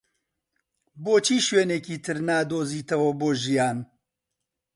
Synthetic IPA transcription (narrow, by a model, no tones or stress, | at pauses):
boːt͡ʃʰiːʃweːneːkiːt̪ʰɨɾnaːd̪oːziːt̪ʰɐwoboːʒijaːn